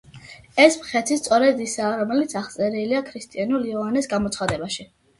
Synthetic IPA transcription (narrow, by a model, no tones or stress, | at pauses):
ɛsmχɛt̪ʰist̪sʼɔɾɛd̪isaːɾɔmɛlit̪sʰaχt̪sʼɛɾiːliakʰɾist̪ʼianuliɔvanɛsɡamɔt̪sʰχad̪ɛbaʃi